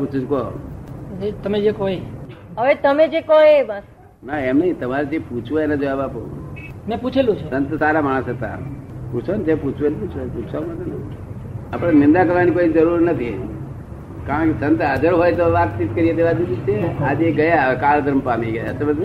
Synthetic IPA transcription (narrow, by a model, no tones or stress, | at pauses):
put͡ʃʰud͡ʒko | d͡ʒet̪əmed͡ʒekoiɦəʋet̪əmed͡ʒekoebas | naemnəĩt̪əmaɾed͡ʒ̪ʰeput͡ʃʰʋoenad͡ʒoaʋapomɛ̃put͡ʃʰelũt͡ʃʰesə̃nt̪saɾamaɽ̃əset̪a̰ | put͡ʃʰond͡ʒ̪eput͡ʃʰʋenput͡ʃʰousʰamat̪on | apəɽ̃nɪnd̪akəɾʋanikoid͡ʒəɾuɾnət̪ʰi | kaɾə̃kesə̃nt̪ɦəd͡ʒəɾɦojt̪oʋat̪̚t͡ʃit̪̚kəɾied̪eʋad͡ʒiit͡ʃʰead͡ʒeɡəjakald̪əɾmpamiɡəja̰sebəd̪